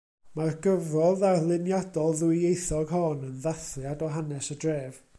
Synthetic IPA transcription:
marɡəvrɔðarlˠɪnjadɔlˠðuiejθɔɡɦɔnənðaθljadɔɦanɛsədreːv

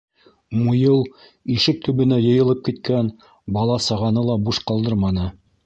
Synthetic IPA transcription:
mujɤlˠ | iʃɘk̚t̪ʰɵ̆βɵ̆næjɤ̆jɤ̆lˠɤp̚kit̪̚kæn | bɑlˠɑsɑʁɑnɤlˠɑbuʃqɑlˠd̪ɤɾmɑnɤ

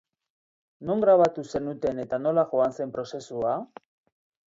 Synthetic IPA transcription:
no̞ŋɡɾaβ̞at̪use̞nut̪e̞ne̞t̪ano̞laʝo̞anse̞mpɾo̞se̞sua

